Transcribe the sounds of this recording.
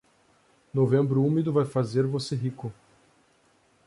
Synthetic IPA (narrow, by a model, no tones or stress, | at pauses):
novẽmbɾʊumid̪ʊvajfazeɾvoseɦikʊ